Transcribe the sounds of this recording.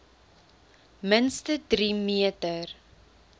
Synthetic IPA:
mənstədɾimiətər

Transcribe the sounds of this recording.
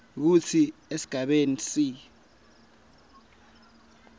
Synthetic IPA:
k̬ut͡sʰiesi̥ɡ̥ʱaɓenisi

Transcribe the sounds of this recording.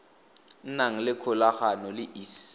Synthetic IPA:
naŋ̩lɪkʰʊlaχanɔlɪʔis

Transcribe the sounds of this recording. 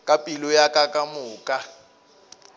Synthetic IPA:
kʼapʼilʊjakʼakʼamʊːkʼa

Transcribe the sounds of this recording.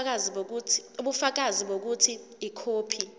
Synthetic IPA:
uɓufak̬aziɓok̬utʰiː | kʰoːpʰi

